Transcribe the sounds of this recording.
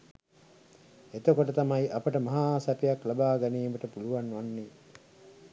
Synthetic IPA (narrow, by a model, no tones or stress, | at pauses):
et̪okoʈət̪amajʔapəʈəmɐɦaːsæpijaklabaːɡaniːməʈəpuluʋanːʋanːe